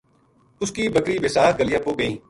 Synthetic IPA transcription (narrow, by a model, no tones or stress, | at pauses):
ʊskiːbɐkɾiːbɪsaːɡəlɪjaːpoːɡɐĩː